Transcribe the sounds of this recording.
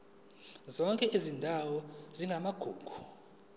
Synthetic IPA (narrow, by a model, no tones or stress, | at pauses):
zɔŋkʼɛʔizindʱawɔziŋɡʱamaɡ̥ʱuːɡ̥ʱu